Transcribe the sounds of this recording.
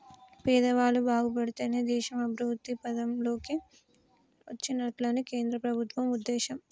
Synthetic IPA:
pɛːd̪ɐʋaːlubaːɡup̬ɐɽit̪eːneːd̪ɛːʃɐmɐbʱɾuːt̪ːipɐd̪ɐmlo̞ːki | ʋɐt͡ʃːinɐʈlɐːnike̞ːnd̪ɾɐpɾɐbʱut̪ʋɐmud̪ːɛːʃɐm

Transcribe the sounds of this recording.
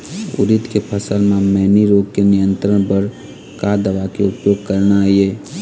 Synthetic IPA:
ʊ̰ɾɪt̪kepʰəsəlmẽmɛɦniɾoːɡkenɪjə̃nt̪ɾəɽ̃pəɾ | kad̪əʋakeʊpjoːɡ̚kəɾnaieː

